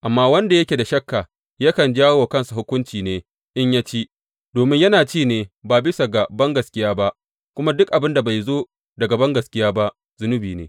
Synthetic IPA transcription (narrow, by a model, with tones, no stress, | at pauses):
ʔa˨mːaː˦wɐ˦nda˨jɐ˦kʲe˨da˨ʃɐ˦kːa˨ | ja˦kɐ˨nd͡ʒaː˦woː˨kɐ˦nsu˨hʊ˦kʷʊ˦nt͡ʃiː˨neː˦ | ʔɪ˦ɲjaː˦t͡ʃi˦ | doː˨mɪ˦ɲjɐ˦naː˨t͡ʃiː˦˨neː˨baː˨bɪ˦sa˨ɡa˨bɐ˦ŋɡɐ˨skʲɪ˦jaː˦ba˦ʔ | kʷʊ˦ma˦dʊ˦kʔa˨bɪ˦nda˨ba˨jzoː˦ | dɐ˨ɡɐ˨bɐ˦ŋɡɐ˨skʲɪ˦jaː˦ba˦ʔ | zʊ˦nʊ˦biː˨nḛː˦